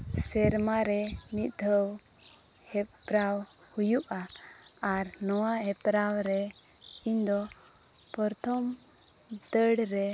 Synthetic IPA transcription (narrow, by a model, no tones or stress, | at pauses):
sɛɾmaɾɛmit̪̚d̪ʱəw | hɛpɾaw | hujuʔaː | ɾnɔwaɦɛpɾawɾɛ | iɲd̪ɔ | pɔɾt̪ʰɔm | d̪əɽɾɛ